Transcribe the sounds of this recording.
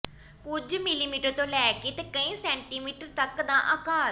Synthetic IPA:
kʊd͡ʒmɪliːmiːʈəɾt̪õːlɛːket̪eːkəĩːsɛ̃ːɳʈiːmiːʈəɾt̪əkd̪ãːʔaːkaː

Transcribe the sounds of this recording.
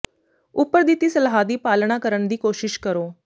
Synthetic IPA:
ʊpːəɾd̪it̪iːsəlɦaːd̪iːpaːlɳaːkəɾəɳd̪iːkoːʃɪʃkəɾoː

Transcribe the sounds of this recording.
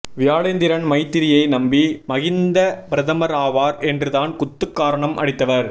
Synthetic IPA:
ʋɪjaːɭɐjnd̪ɪɾɐɳmɐɪt̪ːɪɾɪjɐɪnɐmbimɐɣɪnd̪ɐpɪɾɐðɐmɐɾaːʋaːɾɛndrɯðaːnkʊt̪ːɯkːaːɾɐɳɐmʔɐ̰ɽɪt̪ːɐʋɐɾ

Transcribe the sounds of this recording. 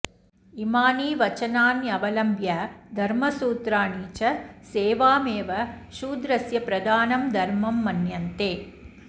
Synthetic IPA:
imaːniːʋɐt͡ʃɐnaːnjɐʋɐlɐmbjɐd̪ʱɐɾmɐsuːt̪ɾaːɳiːt͡ʃɐseːʋaːmeːʋɐʃuːd̪ɾɐsjɐpɾɐd̪aːnɐmd̪ʱɐɾmɐmːɐnjɐnt̪eː

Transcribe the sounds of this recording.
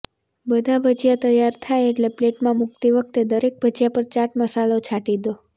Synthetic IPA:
bəd̪ʱabʱəd͡ʒjat̪əjaɾt̪ʰajeʈlepleʈmãmʊk̚t̪iʋək̚t̪ed̪əɾek̚bʱəd͡ʒjapəɾt͡ʃaʈməsalot͡ʃʰaʈid̪o

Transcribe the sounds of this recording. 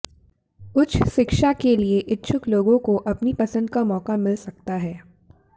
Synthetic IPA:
ʊt͡ʃʰʃɪkʃakelieʔɪtːʃʰʊkloːɡõkoʔɐpnipɐsə̃nd̪kamɔːkamɪlsɐk̚t̪aɦɛː

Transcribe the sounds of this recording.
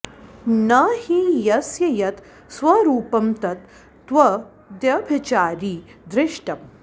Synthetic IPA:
nɐhijɐsjɐjɐt̪ | sʋɐɾuːpɐmt̪ɐt̪ː | ʋɐ | d̪jɐbʱɐt͡ʃaːɾiːd̪ɾɪʂʈɐm

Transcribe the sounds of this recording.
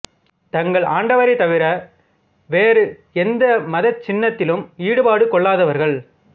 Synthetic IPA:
t̪ɐŋɡɐɭaːɳɖɐʋɐɾɪt̪ɐʋɪɾɐ | ʋeːɾɯ | ɛnd̪ɐmɐðɐt͡ʃːɪnːɐt̪ːɪlɯmiːɽɯpaːɽɯkːɔɭːaːðɐʋɐɾɣɐɭ

